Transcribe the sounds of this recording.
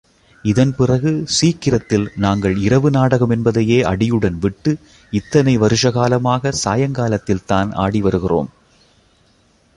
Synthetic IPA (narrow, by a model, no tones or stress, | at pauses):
ɪðɐnpɪrɐɣɯsiːkːɪɾɐt̪ːɪlnaːŋɡɐɭɪɾɐʋɯnaːɽɐɣɐmɛnbɐðɐjeːʔɐɽɪjɯɽɐnʋɪʈːɯ | ɪt̪ːɐnɐɪʋɐɾɯʂɐɣaːlɐmaːɣɐsaːjɐŋɡaːlɐt̪ːɪlt̪aːnʔa̰ːɽiʋɐɾɯɣɪro̰ːm